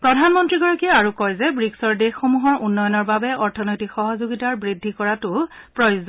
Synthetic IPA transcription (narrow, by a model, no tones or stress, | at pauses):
pɹɔdʱanmɔntɹiɡɔɹɔkiɛaɹukɔjzɛbɹiksɔɹdexxomuɦɔɹʔunːɔjɔnɔɹbabɛʔɔɹtʰɔnojtikxɔɦɔzuɡitaɹbɹidʱːikɔɹatʊpɹɔjuzɔ